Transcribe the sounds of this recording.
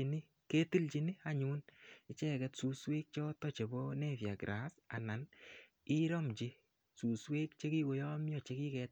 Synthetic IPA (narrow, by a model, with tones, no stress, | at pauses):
i˨ni˦ | ke˦ti˦lt͡ʃi˨ni˦a˦ɲu˦nɪ˨t͡ʃɛ˦kɛ˦tsu˨swe˦k̚t͡ʃɔ˦tɔ˦t͡ʃe˨bɔ˦nɛ˦˨fja˨ɡɾʔa˨˦sa˨na˨n | i˦ɾɔ˦mt͡ʃi˦ | su˨swe˦kt͡ʃe˦ki˦ɡo˨jɔ˦mjɔ˨t͡ʃe˦ki˦kɛt̚